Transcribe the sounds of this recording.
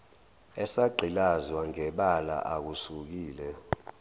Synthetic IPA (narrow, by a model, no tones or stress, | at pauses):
ɛsaɡ͡ǃʱilazwaŋɛɓala̰ʔak̬usuk̬iːlɛ